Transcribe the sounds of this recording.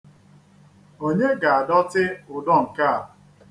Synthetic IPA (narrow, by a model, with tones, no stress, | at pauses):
o˦ɲe˦ɡa˨a˨dɔ˦tɪ˦ʊ˨dɔ˦˨ŋ̩˨ka˦a˨